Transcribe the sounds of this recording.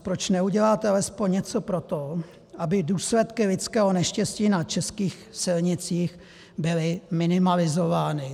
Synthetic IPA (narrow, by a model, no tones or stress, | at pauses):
pɾot͡ʃnɛuɟɛlaːt̪ɛalɛspoɲɲɛt͡so̞pɾo̞t̪o | ʔabɪduːslɛt̪kɪlɪt͡skɛːɦo̞nɛʃcɛsciːnat͡ʃɛskiːxsɪlɲɪt͡siːx | bɪlɪmɪnɪmalɪzovaːnɪ